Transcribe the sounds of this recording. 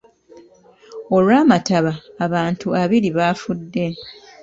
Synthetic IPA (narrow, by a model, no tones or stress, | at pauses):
o̞lwaːmataβaːβaːntuaβiɾiβaːfudːe̞